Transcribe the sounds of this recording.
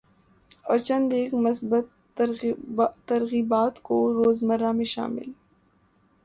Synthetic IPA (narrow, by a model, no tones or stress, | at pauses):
ɔ̰ːɾt͡ʃɐ̃nd̪eːkmʊsbət̪ | ɐɾɣiːbaːt̪koɾoːzməɾamẽʃa̰ːmɪ̰l